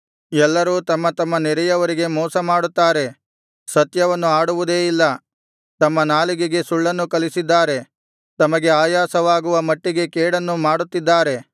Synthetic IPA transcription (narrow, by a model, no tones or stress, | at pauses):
ɛlːɐɾuːt̪ɐmːɐt̪ɐmːɐnɛɾɛjɐʋɐɾiɡe̞mɔːsɐmaːɽut̪ːaːɾe̞ | sɐt̪jɐʋɐnːuaːɽuʋud̪e̞ːilːɐ | t̪ɐmːɐnaːliɡeɡe̞suɭːɐnːukɐlisid̪ːaːɾe̞ | t̪ɐmɐɡe̞aːjaːsɐʋaːɡuʋɐmɐʈːiɡe̞keːɽɐnːumaːɽut̪ːid̪ːaːɾe̞